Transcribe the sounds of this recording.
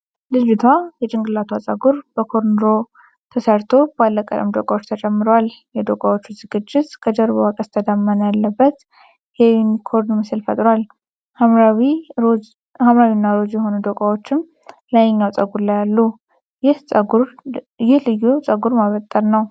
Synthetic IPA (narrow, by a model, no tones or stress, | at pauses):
lɨd͡ʒut̪ʰwajɛt͡ʃʼɪŋɡɨlːat̪ʰwat͡sʼəɡuɾb̥əkʰoɾnɾo̞ | t̪ʰəsəɾt̪ʰo̞balːəkʼə̰lə̰md̪okʼawot͡ʃːt̪ʰət͡ʃʼɛmːɨɾowaljɛd̪okʼawot͡ʃːuzɨɡɨd͡ʒːɪt̪kʰəd͡ʒəɾβowakʼəst̪ʰəd̪amːənjalːəbːət̪ | jewnikʰo̞ɾnmɨsɨlfə̰t̪ʼɾwal | haawi | hamɾawinːaɾo̞d͡ʒjɛɦo̞nud̪okʼawo̞t͡ʃːɪm | lajɲːawt͡sʼəɡuɾlajalːu | jɪhsʼɡu | jɪhlɨjːut͡sʼəɡuɾmaβət̪ʼːəɾnəw